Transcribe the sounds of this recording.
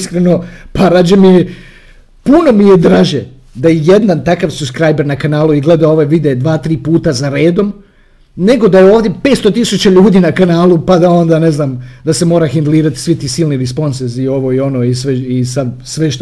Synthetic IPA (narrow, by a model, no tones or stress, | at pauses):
skɾeno̞paɾaːd͡ʑemie | puno̞mijed̪ɾaʒe | d̪ajejed̪nant̪akaʋsuskɾajbeɾnakanaːlˠuiɡle̞d̪ao̞ʋoʋid̪eːd̪ʋaːt̪ɾiːpuːt̪azaɾe̞ːd̪o̞m | ne̞ɡo̞d̪ajeoːʋd̪jepe̞ːt̪st̪ot̪isut͡ɕaʎuːd̪iːnakanaːlupad̪ao̞nd̪ane̞znaːmd̪ase̞mo̞ːɾaxind̪lˠiːɾat̪i̥sʋit̪iːsilˠniɾispo̞nseɾzio̞ʋo̞io̞no̞ːisʋeisad̪sʋeʃt̪